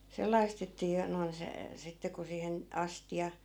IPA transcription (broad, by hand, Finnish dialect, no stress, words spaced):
selˑɑi̯st etːæ jo noin se sitːe ku siːhen ɑstiɑ